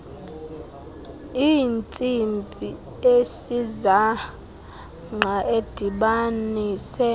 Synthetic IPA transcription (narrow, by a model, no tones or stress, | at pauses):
iːnt͡sʼimpʼi | esiza | ŋ͡ǃʱaed̥ʱiɓanisɛ